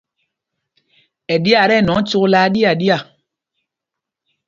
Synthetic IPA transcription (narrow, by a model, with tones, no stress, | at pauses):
ɛ˨di˦a˨ɾɛ˦˨nɔ̃˨˦t͡ʃu˦klaː˦di˦a˨di˦a˨